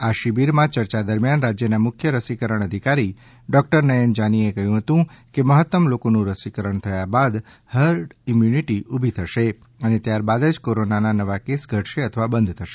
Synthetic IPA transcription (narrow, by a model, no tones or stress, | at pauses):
aʃibiɾmãt͡ʃəɾt͡ʃad̪əɾmjanɾad͡ʒjənamʊkʰjəɾəsikəɾəɳ̃əd̪ʱikaɾi | ɖɔk̚ʈəɾnəjənd͡ʒaniekəɦjũɦət̪ũkeməɦət̪ːəmlokonũɾəsikəɾəɳt̪ʰəjabad̪ | həɾɖimjuniʈiʔubʱit̪ʰəʃe | ənet̪jaɾbad̪əd͡ʒkoɾonananəʋakesɡʱəʈʰʃeət̪ʰəʋabənd̪ʱt̪ʰəʃe